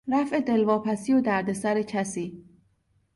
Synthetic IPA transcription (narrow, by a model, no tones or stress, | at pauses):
ɾæfe̞d̪e̞lvɒːpʰæsiːod̪æɾd̪e̞sæɾecʰæsiː